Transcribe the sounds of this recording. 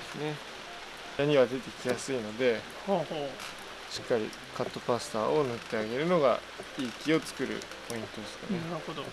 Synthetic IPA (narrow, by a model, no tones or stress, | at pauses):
d̪esɨne̞ | naɲ̟iβad̪e̞t̪e̞kʲijasɨino̞d̪e̞ | hh | ɕi̥kːaɾʲḭ | kat̪ːo̞pasɨ̥t̪aːʔo̞nɯ̟t̪ːe̞aɡe̞ɾɯ̟no̞ɡa̰ | iːkʲio̞t͡sɨ̥kɯ̟ɾɯ̰ | po̞ĩnt̪o̞d̪esɨ̥kaneaɯhod̪o